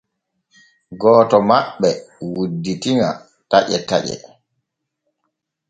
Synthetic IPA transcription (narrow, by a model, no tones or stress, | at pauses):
ɡɔːtɔmaɓːɛwudːitiŋa̰ | taʔɛ̰ta̰ʄɛ̰